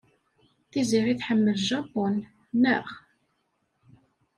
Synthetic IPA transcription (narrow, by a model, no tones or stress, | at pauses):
θiziɾiθħəmːəlʒɑpɔnː | əχ